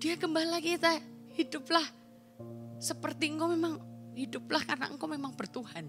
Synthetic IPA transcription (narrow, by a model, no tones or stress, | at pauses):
d̥iakəmbalakit̪ahidʊp̚lah | səpərt̪iŋkomemaŋhidʊp̚lahkarna̰ŋ̩komemaŋb̥ərt̪uhan